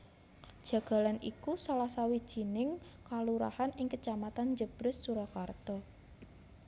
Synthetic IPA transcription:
d̥ʒ̥ä̤ɡ̥a̤lanʔḭkusalahsawid̥ʒ̥i̤nɪŋkaluɾa̰hanɪŋkət͡ʃamat̪and͡ʒəb̥ɾəsːuɾakart̪ɔ

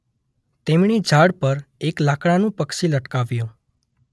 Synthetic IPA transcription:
t̪emɳid͡ʒʱaɽpəɾeklakɽanũpəkʃiləʈkaʋjõ

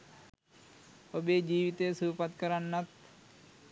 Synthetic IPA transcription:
obeːd͡ʒiːʋit̪eːsuːpɐt̪kəɾanːɐt̪

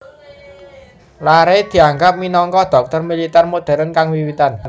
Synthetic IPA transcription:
laɾed̪̥i̤aŋɡap̚minɔŋkɔd̪̥ɔ̤k̚t̪ərmilit̪ɛrmod̪̥ɛ̤ɾənkaŋwiwit̪an

